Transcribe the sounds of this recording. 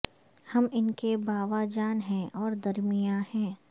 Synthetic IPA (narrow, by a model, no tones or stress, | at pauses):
hɐmɪnkebaːʋad͡ʒaːnɦɛ̃ʔɔːɾd̪ɐɾmijahɛ̃ː